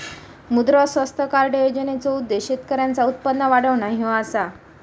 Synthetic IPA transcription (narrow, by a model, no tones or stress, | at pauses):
mud̪ɾɔsʋəst̪ʰəkaɾɖəjod͡ʑənet͡soud̪ːeɕit̪kəɾjãnt͡saut̪̚pənːəʋaɽəʋɳaɦĩʋasa